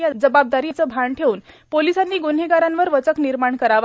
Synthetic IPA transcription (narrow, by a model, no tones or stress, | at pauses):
jad͡zəbab̚d̪aɾiːt͡səːbʱaɳʈʰeuːnpolisanːiːɡunɦeɡaɾanʋəɾʋət͡səkniɾmaɳkəɾaʋa